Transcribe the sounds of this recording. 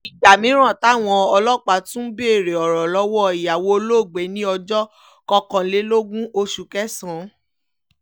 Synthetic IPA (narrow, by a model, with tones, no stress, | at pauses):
i˨d͡ʒa˨mĩ˨˦ɾ̃ã˦˨ta˨˦˨w̃ɔ̃˧ɔ˧lɔ˦k͡pa˨˧tũ˦be˦˨ɾe˨ɔ˨ɾɔ˨lɔ˨˦wɔ˦i˨ja˨wo˧o˧lo˦˨ɡ͡be˨˦nĩ˦ɔ˧d͡ʒɔ˦ | kɔ˧kã˧˦le˨˦lo˦ɡũ˦ʔo˧ʃu˨˦kɛ˦sã˨˦